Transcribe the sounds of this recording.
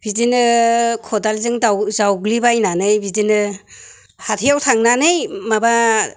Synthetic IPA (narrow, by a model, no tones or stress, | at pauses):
b̥idinɯkʰɔdalzɯŋdawzawɡlibajnanɯjbidinɯ | hatʰijawtʰaŋnanɯjmaba